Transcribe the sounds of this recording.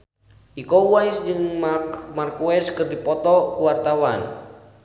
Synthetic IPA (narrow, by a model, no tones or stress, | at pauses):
ʔikowajsd͡ʒɨŋmarkuɛskɨrdipɔt̪ɔkuwart̪awan